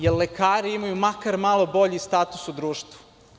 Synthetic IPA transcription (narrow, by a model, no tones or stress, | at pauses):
jellekaːɾiimajumakaɾmalˠobo̞ʎist̪aːt̪usud̪ɾuːʃt̪vu̥